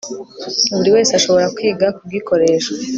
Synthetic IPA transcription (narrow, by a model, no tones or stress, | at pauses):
βuɾiwe̞ːseaʃo̞βo̞ɾakwiːɡakub̚ɡikʰo̞ɾe̞ːʃe